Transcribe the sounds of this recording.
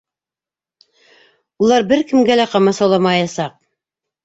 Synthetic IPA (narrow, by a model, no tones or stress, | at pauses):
ulˠɑɾbɘɾkɘ̆mɡælæqɑmɑsɑwlˠɑmɑjɑsɑq̚